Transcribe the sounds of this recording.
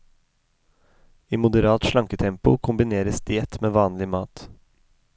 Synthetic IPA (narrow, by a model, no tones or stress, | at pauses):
iːmʊd̪əɾɑːt̪ʃɭɑŋkət̪ʰɛmpʊkʰʊmbɪneːɾəsd̪eːt̪meːʋɑːnlɪmɑːt̪